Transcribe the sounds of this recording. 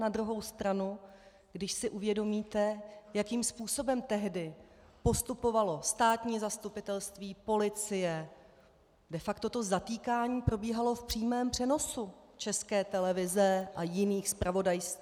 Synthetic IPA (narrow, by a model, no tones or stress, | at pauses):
nad̪ɾuɦo̞wst̪ɾanu | ɡ̥dɪʃsɪʔuvjɛdo̞miːt̪ɛjakiːmspuːso̞bɛmt̪ɛɦdɪpo̞st̪upo̞valo̞st̪aːt̪ɲiːzast̪upɪt̪ɛlst̪viːpo̞lɪt͡sɪjɛ | dɛfakt̪o̞t̪o̞zat̪iːkaːɲiːpɾo̞biːɦalo̞fpr̥iːmɛːmpr̝̥ɛno̞sut͡ʃɛskɛːt̪ɛlɛvɪzɛʔajɪniːxspɾʔavo̞dajs